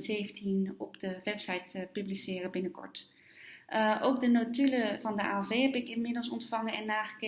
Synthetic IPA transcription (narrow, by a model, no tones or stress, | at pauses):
tz̥ejvəntinɔpdəʋɛpsajtəpyblisɪːrəbɪnəkɔ̰ɹt | ʔʔowk̚dənotyləvɑndəa̰ːɛveːɦɛpɪkɪnmɪdəlˠsɔntfɑŋənɛnːaːχə̥ke